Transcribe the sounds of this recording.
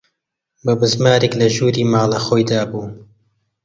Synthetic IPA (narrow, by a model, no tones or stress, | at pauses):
bɐbɨzmaːɾeklɐʒuːɾiːmaːlɐxoːjd̪aːbuː